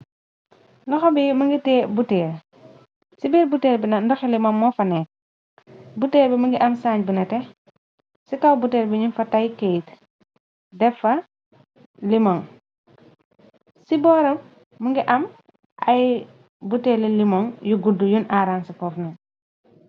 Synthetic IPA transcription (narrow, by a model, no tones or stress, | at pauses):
lɐxɔbimɐŋɡitɛːbutɛːɾ | sibɛːɾbutɛːɾbinɐndɔxilimɔŋmɔːfɐnɛːk̚ | butɛːɾbimuŋɡiʔɐmsaːɲbunɐtɛ | sikawbutɛːɾbiɲunfɐtajkejt | dɛfɐ | limɔŋ | sibɔːɾɐ | muŋɡiʔɐm | ʔɐj | butɛːlilimɔŋjuɡudujunaɾansifɔːfnɛn